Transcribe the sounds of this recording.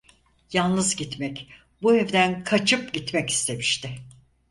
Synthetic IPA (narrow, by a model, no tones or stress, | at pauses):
janˠnɯzɟit̪mɛc | buɛvd̪ænkʰat͡ʃʰɯpɟit̪mɛci̥st̪ʰe̞miʃt̪ʰɪ